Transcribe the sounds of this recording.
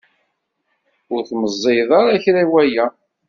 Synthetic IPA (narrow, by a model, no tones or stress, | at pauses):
ʊɾθməzˤːejðˤɑɾˤæçɾæwæjæ